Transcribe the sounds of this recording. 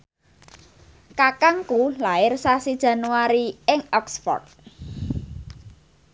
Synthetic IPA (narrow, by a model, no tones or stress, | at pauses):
kakaŋkulaɪrsasid̥ʒ̥ä̤nuwaɾiɪŋɔksfɔ̰rt̪̚